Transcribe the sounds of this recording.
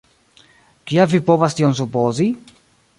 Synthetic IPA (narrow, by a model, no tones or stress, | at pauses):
kiavipovast̪ions̬upozi